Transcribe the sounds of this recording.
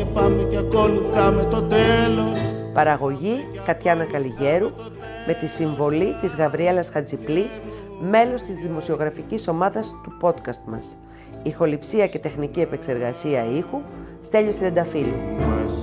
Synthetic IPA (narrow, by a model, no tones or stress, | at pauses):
epɐmet̪ɐkoluθɐmet̪ot̪elospɐɾɐɣo̞ʝi | kɐt̪çɐnɐkɐliʝe̞ɾu | me̞t̪isiɱvo̞lit̪izɣɐvɾie̞lɐsxɐd͡zipli | me̞lo̞st̪izðimo̞sio̞ɣɾɐficiso̞mɐðɐst̪upo̞t̪kɐst̪mɐ̰s | ixo̞lipsiɐce̞t̪e̞xnicie̞pe̞kse̞ɾɣɐsiɐixu | st̪e̞ʎost̪iend̪ɐfilḭ